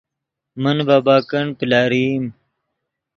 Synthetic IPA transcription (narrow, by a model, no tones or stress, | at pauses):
mənbaːbaːkɐɳpilaːɾiːm